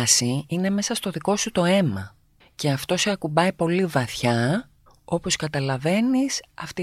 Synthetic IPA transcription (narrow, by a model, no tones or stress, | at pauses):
siine̞me̞sɐst̪o̞ðiko̞sut̪o̞e̞mɐ | ce̞ɐft̪o̞seɐkubɐjpo̞livɐθçɐ | o̞po̞skɐt̪ɐlɐve̞nisɐft̪i